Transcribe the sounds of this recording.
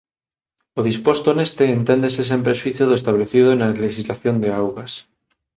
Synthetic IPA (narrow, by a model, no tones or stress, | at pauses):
oðispost̪onest̪eːnt̪end̪eses̬empɾeswiθjoðoest̪aβleθiðonaleʃizlaθjond̪eawɣas